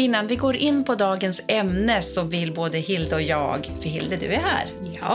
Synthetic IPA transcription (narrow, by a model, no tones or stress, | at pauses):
ɪnːanvɪɡoːɾʔɪnːpʰɔd̪ɑːɡənsɛmnəsɔvɪlːboːd̪əhɪld̪əɔjɑ̰ːɡfœɾɦɪld̪əd̪ɵ̰æhæ̰ːɾ | j